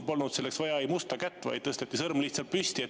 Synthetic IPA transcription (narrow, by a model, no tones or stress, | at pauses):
po̞lnud̪̥se̞lːe̞ksvɑjɑejmust̪ɑkæt̪ːvɑ̰jd̪̥̚t̪ɤst̪et̪ːisɤrmliht̪sɑlt̪̚pyst̪ie